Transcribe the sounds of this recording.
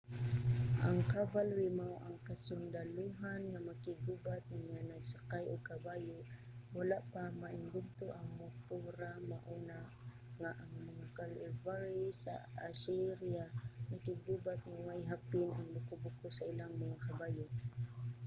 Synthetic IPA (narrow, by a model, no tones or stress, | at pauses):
ʔaŋkabalwimawʔaŋkasʊnd̪aluɦanŋamakɪɡubat̪̚ŋamaŋanaɡsakajʊɡ̚kabaːjʊʔ | walaʔpamaʔɪndʊɡ̚t̪ʊʔaŋmʊkuɾamaʔuna | ŋaʔaŋmaŋakalɪvaɾisa̰asiɾiamakɪɡubat̪̚ŋamajɦapɪnaŋlʊkʊbʊkʊsailaŋmaŋakabaːjʊ